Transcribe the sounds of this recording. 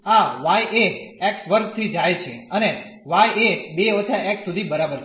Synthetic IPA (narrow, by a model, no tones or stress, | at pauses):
aʋajʔeɛksʋəɾɡ̚t̪ʰid͡ʒajt͡ʃʰeəne | ʋajebeɔt͡ʃʰaɛksud̪ʱibəɾabəɾʰ